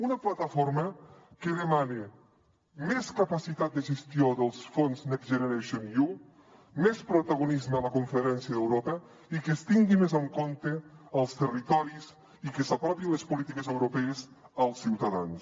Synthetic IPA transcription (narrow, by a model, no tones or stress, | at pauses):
unəplat̪afoɾməkeðəmane | meskapasit̪at̪̚d̪əʒest̪ioðəlˠsfonznɛkʒenəɾeʃonju | mɛspɾut̪aɣunizməaləkuɱfəɾɛnsjəðewɾopə | ikest̪iŋɡimezəŋkont̪eəlˠst̪ərit̪ɔɾis | ikesapɾɔpilespulit̪ikezəwɾopɛezəlˠsːiwt̪aðans